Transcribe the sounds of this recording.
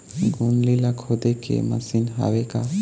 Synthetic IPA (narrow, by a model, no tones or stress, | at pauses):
ɡunlilakʰod̪ekʰḛmɐ̰sinɦa̰ʋeka